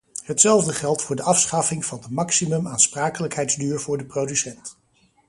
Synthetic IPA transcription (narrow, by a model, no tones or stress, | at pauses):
ɦətsɛlˠvdəχɛlˠtfʊːɹdəʔɑfsχɑfɪŋv̥ɑndəmɑksimɵmaːnspraːkələkɦɛjdzdyːɹvʊːɹdəprowdysɛnt